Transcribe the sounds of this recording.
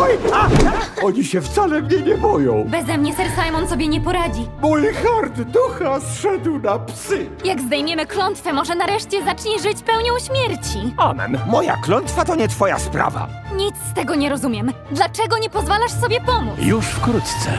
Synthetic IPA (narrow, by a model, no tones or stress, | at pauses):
ɔjaaɔɲiɕɛft̪salɛmɲɛɲɛbɔjɔ̃w̃bɛzɛmɲɛsɛɾsajmɔnsɔbʲjɛɲɛpɔɾad͡ʑimulxaɾd̪ːuxasʂɛd̪wnapsɘjaɡzd̪ajmʲjɛmɘklɔnt̪fɛmɔʐɛnaɾɛʂt͡ɕɛzat͡ʂɲɛʐɘt͡ɕpɛwɲɔ̃w̃ɕmʲjɛɾt͡ɕiamɛ̰nmɔja̰klɔnt̪fat̪ɔɲɛt̪fɔja̰spɾa̰va̰ɲit̪st̪ɛɡɔɲɛɾɔzumʲjɛm | d̪lat͡ʂɛɡɔɲɛpɔzvalaʂsɔbʲjɛpɔmujuʂfkɾut̪t̪sɛ̰